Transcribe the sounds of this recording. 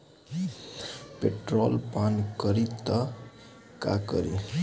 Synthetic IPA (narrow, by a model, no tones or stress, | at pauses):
peʈɾolpankʌɾit̪ʌ | ka̰kʌ̰ɾḭ